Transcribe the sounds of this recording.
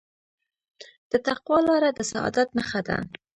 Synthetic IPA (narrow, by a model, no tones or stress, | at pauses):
d̪̥ət̪aqwɑlɑɾad̪əsaɑ̰d̪at̪məxad̪a̰